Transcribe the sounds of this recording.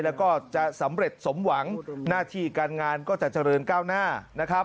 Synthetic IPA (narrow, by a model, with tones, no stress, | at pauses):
lɛː˦˥wkɔː˥˩t͡ɕa˨˩sa˩˦mɾe˨˩t̪̚so˩˦mwa˩˦ŋnaː˥˩t̪ʰiː˥˩kaː˧nŋaː˧nkɔː˥˩t͡ɕa˨˩t͡ɕa˧ɾɤː˧nkaː˥˩wnaː˥˩na˦˥kʰɾa˦˥